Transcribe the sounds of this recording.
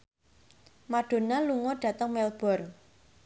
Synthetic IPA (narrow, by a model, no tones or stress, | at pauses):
maɖ̥o̤naluŋɔɖ̥ä̤t̪əŋmɛlb̥ɔ̤rŋ